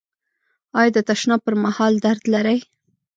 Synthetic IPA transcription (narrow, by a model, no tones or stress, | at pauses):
ɑjd̪ət̪aʃnɑpəɾmahɑld̪aɾd̪laɾaj